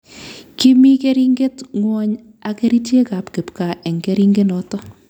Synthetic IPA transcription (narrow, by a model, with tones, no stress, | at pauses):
ki˦mi˦ke˦ɾi˦ŋɡe˦tŋwɔ˦ɲ | a˨ke˦ɾi˦t͡ʃe˦ka˨pke˨pka˨ʔe˨ŋɡe˦ɾi˦ŋɡe˦nɔ˨tɔ˦